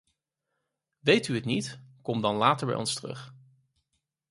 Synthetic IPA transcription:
ʋejtyətnitkɔmdɑnlaːtəɹbɛ̰jɔ̰nstərɵ̰χ

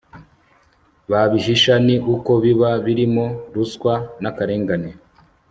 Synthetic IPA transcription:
βaβiʃiʃaniʔuko̞βiβaβiɾimo̞ɾuskwanakaɾe̞ːŋɡane

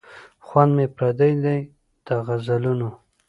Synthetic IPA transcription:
xwand̪mepɾad̪ajd̪aj | d̪̥əɣazaluno

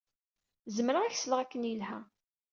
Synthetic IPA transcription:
zəmɾəæçsələʁækːənjəlhæ

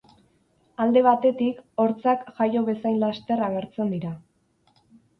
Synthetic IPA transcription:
ald̪e̞β̞at̪e̞t̪iko̞ɾt͡sakʝajo̞βe̞sajnlast̪e̞raɣ̞e̞ɾt͡se̞nd̪iɾa

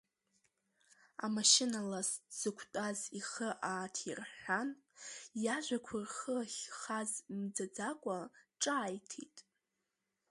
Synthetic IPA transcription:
a̰maʃɪnalasz̥ɨkʷʰtʼaziχəʔaːtʰirħʷan | jaʒʷakʷʰʊrχəχʲχazmd͡zad͡zakʷʼaʈ͡ʂʼaːjtʰḭtʼ

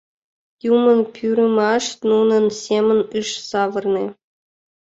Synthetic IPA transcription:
jumɤ̆npʲʰyɾʲɘmɑʂnunɤ̆nsʲemʲə̆nʲɯʂsɑʋɤ̆rnĕ

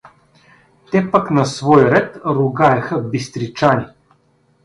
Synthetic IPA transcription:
t̪ɛpaknɐsvɔjɾɛt̪ɾʊɡajɛxəbist̪ɾit͡ʃanʲi

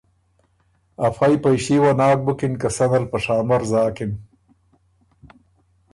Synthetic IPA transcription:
ɐfajpɐjʃiwanaːk̚bukinkɐsɐnɐlpɐʂaːmɐɾzaːkɪn

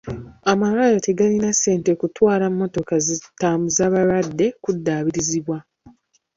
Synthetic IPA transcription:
amalajote̞ɡalinase̞ːntekutwaːlamːo̞to̞kazitːaːmuzaːβaɾadːe̞kudːaːβiɾiziβwa

